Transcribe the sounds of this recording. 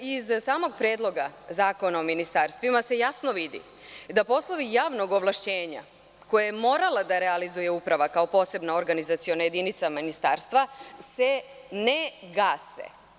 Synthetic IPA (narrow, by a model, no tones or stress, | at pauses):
izsaːmo̞ɡpɾje̞ːd̪lˠo̞ɡazaːko̞naominist̪aɾst̪ʋimase̞jasno̞ʋid̪ḭ | d̪apo̞sloʋijaːʋno̞ɡo̞ʋlˠaʃt͡ɕeːɲa̰ | ko̞jajemo̞ɾalad̪aɾealizuje̞upɾaʋakao̞po̞ːse̞bnaoɾɡanizat̪sio̞naje̞d̪init̪saminist̪aːɾst̪ʋase̞ | neɡasḛ